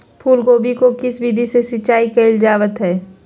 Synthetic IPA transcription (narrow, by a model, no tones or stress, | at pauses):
pʰuːlɡoːbʱikokɪsbʱid̪ʱisesɪʃaːikeɪld͡ʒaːʋət̪ɦɛː